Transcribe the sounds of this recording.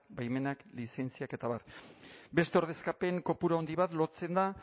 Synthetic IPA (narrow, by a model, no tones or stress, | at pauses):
bajme̞naklise̞nt͡siake̞t̪aβaɾbe̞st̪e̞o̞ɾðe̞skape̞ŋko̞puɾao̞nd̪iβat̪lo̞t͡se̞nd̪a